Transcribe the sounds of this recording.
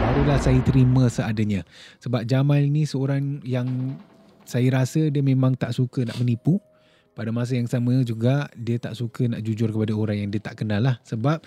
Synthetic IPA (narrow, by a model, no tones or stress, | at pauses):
baɾulahsajət̪əɾiməsəadəɲãsəbap̚d͡ʒamaninisəoɾaŋjaŋ | sajəɾasədiəmẽmãŋt̪aʔsukəna̰ʔmənipu | padamas̬əjaŋsaməd͡ʒuɡadiət̪aʔsukənaʔd͡ʒud͡ʒʊrkəpadaoɾaŋjaŋdiət̪aʔkənalːahsəbap̚